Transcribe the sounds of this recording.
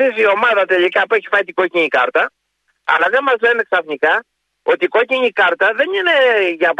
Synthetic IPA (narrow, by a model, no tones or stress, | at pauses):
isio̞mɐðɐt̪e̞likɐpueçi̥fɐit̪iɡo̞ciɲikɐ̰ɾt̪ɐ | ɐ̰lɐðemmɐzle̞ne̞ksɐfnikɐ | o̞t̪iko̞ciɲikɐɾt̪ɐðe̞nine̞ʝɐp